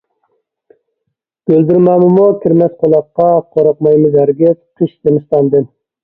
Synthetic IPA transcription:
b̥øld̪ɪɾmɑmɪmukʲʰiɾmɛsqʰolˠɑqːɑqʰoɾɑqmɑjmɪzæɾɡʲɛp̚qʰəʃt̪ɪnɨst̪ɑnd̪ɨn

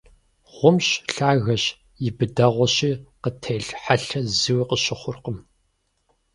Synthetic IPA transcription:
ʁ̥ʷʊmɕɬaːɣɐɕ | jɪbɨdɐʁʷɔɕiːqətʰeːɬħaɬɐzɨwqəɕɪχʷʊrqəm

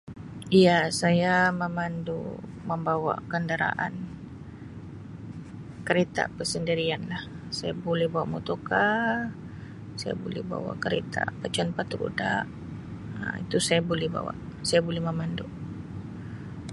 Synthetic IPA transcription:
ijasajaməmandṵməmbawa̰kəndaɾa̰ʔa̰n | kəɾet̪a̰pəsəndiɾianlah | sajabolɛhbawaʔmut̪oka | saja̰bolɛhba̰wa̰kəɾet̪a̰pət͡ʃanpat̪ɾṵdaʔ | it̪usajabolɛhba̰wa̰sajabolɛhməmandu

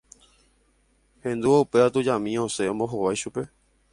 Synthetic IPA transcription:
hẽ̞nd̪uwaupe̞at̪ud͡ʒãmĩõseõmboɦoʋajʃupe̞

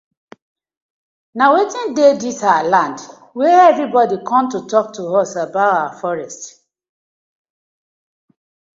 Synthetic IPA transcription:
nawetĩndeditaalãnd | weɛvɹibɔdikʰɔ̃mtutɔk̚tuɔsabaʊtawafɔɹɛst

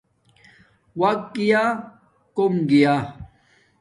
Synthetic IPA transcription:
wɐkɡija | komɡija

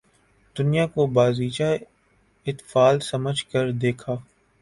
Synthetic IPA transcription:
d̪̥ʊnijakobaːziːt͡ʃa | ɪt̪faːlsɐməd͡ʒʱkəɾd̪eːkʰaː

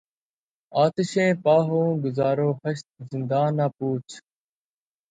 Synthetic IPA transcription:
aːt̪ɪʃẽːpaːɦõːɡʊzaːɾoːhəʃt̪̚zɪnd̪aːnaːpuːt͡ʃʰ

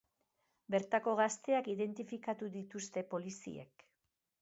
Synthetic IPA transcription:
be̞ɾt̪ako̞ɣast̪e̞akiðe̞nt̪ifikat̪uðit̪ust̪e̞po̞lisḭḛk

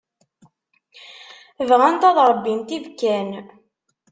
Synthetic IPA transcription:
vʁænt̪ɑðɾˤəbːint̪ivkːæn

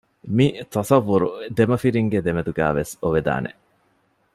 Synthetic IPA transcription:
mit̪ɐsɐʋːuɾud̪emɐfiɾiŋɡed̪emed̪uɡæ̰ːʋesoʋed̪a̰ːnḛ

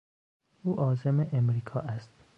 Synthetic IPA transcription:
ʔuːʔɒːzemeʔemɾiːkʰɒːʔæst̪̚

